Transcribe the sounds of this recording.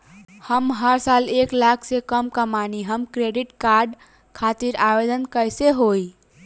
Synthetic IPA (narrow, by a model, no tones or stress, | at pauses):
həmɦəɾsaleklakʰsekəmkəmaniɦəmkɾeɖiʈkaɾɖ | kʰat̪iɾajed̪ənkəjseɦoi